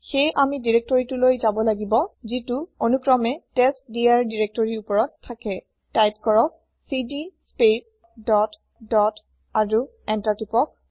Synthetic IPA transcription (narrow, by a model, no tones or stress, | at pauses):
xejʔamidiɹek̚tɔɹitʊlojzabɔlaɡibɔzituonukɹɔmɛtestdiaɹdiɹek̚tɔɹiupɔɹɔtʰːakɛ | tajp̚kɔɹɔk̚ | sidispep̚ | dɔt | dɔt | aɹu | ɛntatipɔk̚